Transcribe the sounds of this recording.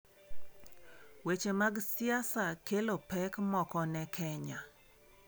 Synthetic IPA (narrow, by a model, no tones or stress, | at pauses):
wet͡ʃemaɡsɪasakelopɛkmɔkɔnɛkʰɛɲa